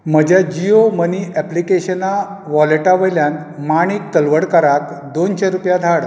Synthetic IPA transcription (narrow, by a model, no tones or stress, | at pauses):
məd͡ʑjad͡ʑioməniɛplikeɕəna | ʋɔleʈaʋəjljan | maɽ̃iːk̚t̪əlʋəɽkəɾakd̪onɕaɾupjad̪ʱaɽ